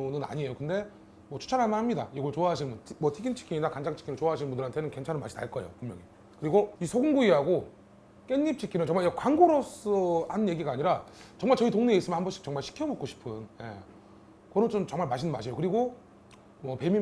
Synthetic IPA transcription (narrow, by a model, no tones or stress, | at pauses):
nɯna̰ɲie̞jokɯnde̞ | mwʌt͡ɕʰu̥t͡ɕʰaɾɦaɭmaɾɦamɲida̰iɡʌɭt͡ɕoaɦaɕʰinmbunmwʌtʰiɡint͡ɕʰi̥kʰiŋinakand͡ʑaŋt͡ɕʰi̥kʰinɯnt͡ɕoaɦaɕ̬ʰinmbundɯɾhantʰe̞nɯnke̞nt͡ɕʰanɯnma̰ɕʰi̥ta̰ɭk͈ʌḛjo̰pumjʌ̰ŋi | kɯɾiɡoisʰoɡuŋɡuiɦaɡo | k͈eɲːip̚t͡ɕʰikʰinɯnt͡ɕʌŋmajʌkkwaŋɡoɾos͈ʌɦanɯnje̞ɡiɡaːɲiɾat͡ɕʌŋmaɭt͡ɕʌitoŋneeis͈ɯmjʌnhambʌnɕʰi̥k̚t͡ɕʌŋmaɭɕʰi̥kʰijʌmʌk͈̚oɕʰi̥pʰɯnje̞̰ | kʌɾot͡ɕomt͡ɕʌŋmaɭmaɕʰinɯnma̰ɕʰijokɯɾiɡo | mwʌpe̞mi